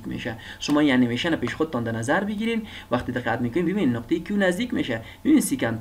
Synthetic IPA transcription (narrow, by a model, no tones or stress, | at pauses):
kmḛʃæ | ʃʊmɔːjanemeʃænapeʃxod̪̚t̪ɔnd̪æɾnæzaɾbiɡiɾen | wæχt̪id̪ɪqːat̪̚mikʊnimbibinnːʊqt̪ejikʰiunæzd̪ikmeʃæ | bibinsikan